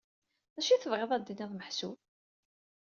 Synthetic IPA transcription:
æʃiθəvʁeðˤæd̪ːiniðˤməħsu

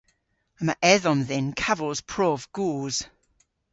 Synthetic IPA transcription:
əməʔɛðɔ̃nðɪnkʰavəlˠz̥pʰɹ̥ɔːvɡ̥uːz̥

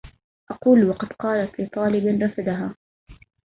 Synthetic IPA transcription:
ʔɑquːlwɑqɑd̪̥qɑːlat̪lɪt̪ˤɑːlɪbɪnɾˤɑfad̪aɦaː

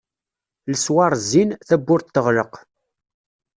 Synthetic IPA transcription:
ləswɑɾˤzːinθæbːʊɾt̪ːəʁləq

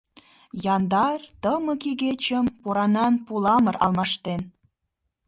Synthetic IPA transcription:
jɑnd̪ɑrt̪əməkiɣet͡ɕəmpoɾɑnɑnpulɑməɾɑ̰lmɑʃt̪en

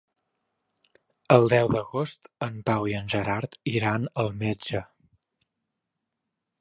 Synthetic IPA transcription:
əlˠd̪ɛwðəɣost̪əmpawiənʲʒəɾaɾt̪iɾanəlˠmed͡ʒə

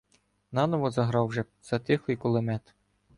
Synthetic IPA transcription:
nɑnɔʋɔzɐɦɾɑwʒɛ | z̥ɐt̪ɪxˠɪjkɔlˠɪmɛt̪

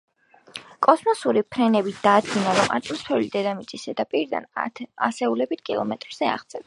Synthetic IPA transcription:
kʼɔsmɔsuɾipʰɾɛnɛbit̪d̪̥aːd̪ɡinaɾɔma̰t̪ʼmɔspʰɛlid̪ɛd̪amit̪sʼisɛd̪apʼiɾid̪a̰nasɛulɛbit̪ʰkʼilˠɔ̰mɛt̪ʼɾz̥ɛa̰ʁt̪sʼɛb

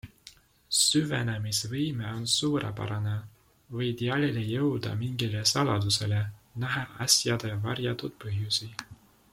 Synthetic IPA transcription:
syvḛnemisvɯjmeonsuːɾɑ̰pɑ̰ɾɑne | vɤjt̪iɑlilejɤwd̪̥ɑ̰miŋɡ̥ilesɑlɑd̪use̞le̞næɦɑʔɑsʲjɑd̪evɑrjɑt̪ut̪̚pɤɦjusi

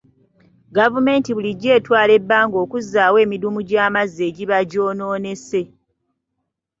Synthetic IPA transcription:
ɡavume̞ntiβuliɟe̞ːtwaːle̞bːaːŋɡo̞ːkuzːaːwe̞ːmidumuɟaːmazːe̞ːɟiβaɟo̞ːno̞ːne̞se̞

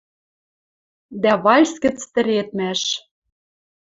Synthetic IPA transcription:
d̪æβɑlʲskɘ̆t͡st̪ɘ̆ɾet̪̚mæʃ

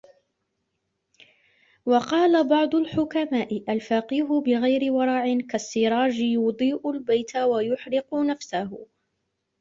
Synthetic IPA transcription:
wɑqɑːlabɑʕd̪ˤʊlħʊkamaːʔɪʔalfaqiːɦʊbɪɣajɾɪwɑɾˤɑːʕɪnkasːɪɾˤɑːd͡ʒɪjʊd̪ˤiːʔʊlbajt̪awajʊħɾɪqʊnafsahʊ

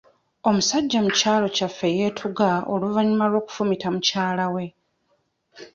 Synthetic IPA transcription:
o̞musaɟːamucaːlo̞cafːe̞je̞ːtʰuɡao̞luvaɲimalwo̞ːku̥fumitamucaːlawe̞

